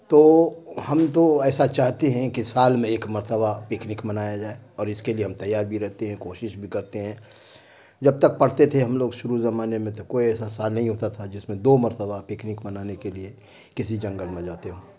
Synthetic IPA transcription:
t̪oːhɐmt̪oɛːsat͡ʃaːɦt̪eɦɛ̃kisaːlmẽeːkmɐɾt̪əbapɪknɪkmɐnaːjad͡ʒaːeɔːɾɪskelieɦɐmt̪ɐjːaːɾbʱiɾɛɦt̪eɦɛ̃koːʃɪʃbʱikɐɾt̪eɦɛ̃ | d͡ʒɐb̚t̪ək̚pɐɽ̤t̪et̪ʰeɦɐmloːɡʃʊɾuzɐmaːnemẽt̪okoːiɛːsasaːlnːəɦĩɦoːt̪at̪ʰad͡ʒɪsmẽd̪oːmɐɾt̪əbapɪknɪkmɐnaːnekelie | kɪsid͡ʒɐ̃ŋɡəlmẽd͡ʒaːt̪eɦõː

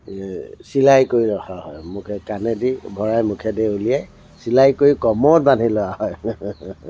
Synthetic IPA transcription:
silajkoɹiɹɔxʰaɦɔjmukʰɛkanɛdibʱɔɹajmukʰɛdɛulijɛj | silajkoɹikɔmɔt̚ban̤ʱilɔaɦɔj

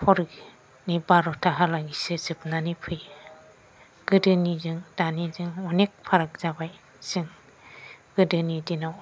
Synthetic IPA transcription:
hɔɾik | nibaɾɔtʰaɦalaŋisɯzɯp̚nanipʰɯj | ɡ̥ɯdɯnizɯŋdanizɯŋɔnek̚pʰaɾak̚z̥abaj | sɯŋ | ɡ̥ɯdɯnidina

